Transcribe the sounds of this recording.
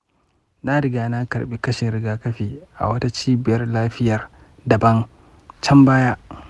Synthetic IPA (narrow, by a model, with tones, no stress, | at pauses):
na˦ɾɪ˨˦ɡaː˨na˦kɐ˨ɾɓi˦kɐ˦ʃɪ˨nɾɪ˨˦ɡaː˦kɐ˦ɸiː˨ʔa̰˨wɐ˦ta˦t͡ʃiː˦bɪ˨jɐ˦rlaː˦ɸɪ˦jɐ˨r | dɐ˨bɐ˦ŋ | t͡ʃɐ˦mbaː˦ja˦ʔ